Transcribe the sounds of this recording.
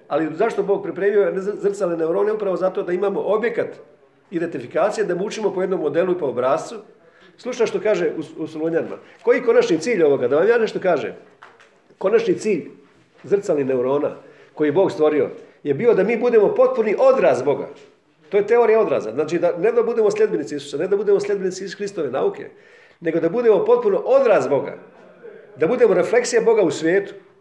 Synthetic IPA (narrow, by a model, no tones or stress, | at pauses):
alizaʃt̪oboːɡ̚pɾipɾe̞ːmijozr̩t̪saline̞uɾo̞ːneupɾaʋo̞zat̪o̞d̪aimaːmo̞ʔobjekat̪ | id̪ent̪ifikaːt̪sijed̪amuːt͡ʃimo̞pojed̪no̞mːo̞d̪e̞luipoobɾaːst̪ʋu | slˠut͡ʃnaʃt̪o̞kaːʒeʔususuluɲanima̰ | ko̞jiko̞nat͡ʃnit̪siːʎʲo̞ʋo̞ɡad̪aʋamjaːne̞ʃt̪okaːʒḛm | ko̞nat͡ʃnit̪siːʎ | zrt̪saline̞uɾo̞ːna̰ | ko̞jiboːɡst̪ʋo̞ɾio̞̰je̞biːo̞d̪amiːbud̪e̞mo̞po̞t̪̚puniʔo̞d̪ɾaːsbo̞ɡa̰ | t̪ojet̪e̞o̞ːɾijao̞d̪ɾa̰ːza̰znaːt͡ʃid̪aned̪abud̪emosʲʎʲe̞d̪benit̪siisu̥saned̪abud̪emoslʲe̞d̪benit̪siisxɾist̪o̞ʋe̞na̰ːukʰḛ | ne̞ɡo̞d̪abud̪e̞mo̞po̞t̪̚puno̞ʔo̞d̪ɾaːsbo̞ɡa̰ | d̪abud̪e̞mo̞ɾe̞flˠe̞ksijabo̞ɡausʋjeːt̪u̥